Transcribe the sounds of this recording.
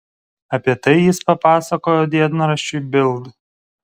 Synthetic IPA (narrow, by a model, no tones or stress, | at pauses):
ɐpʲiɛt̪ɐɪjɪspɐpɑːsɐkoːjoːd̪ʲiɛd̪nɐɾɐʃʲt͡ʃʲʊɪbʲɪlˠd̪